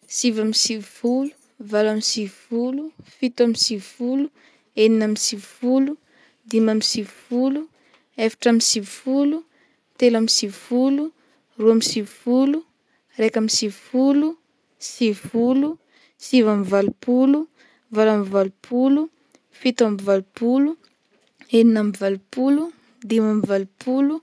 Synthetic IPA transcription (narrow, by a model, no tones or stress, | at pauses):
sivamisivvulu̥ | valamisivvulufit̪amisivfulu | eninamisivfulu | d̪imamisivfulu | efḁʈ͡ʂamisivufulu | t̪elamisivfulu | ruamisivfulu | rekamisivfulu | sivfulu | sivamivalupulu | valamivalupʰulu | fit̪amivalupulu | eninamivalupulu | d̪imamivalupʰulu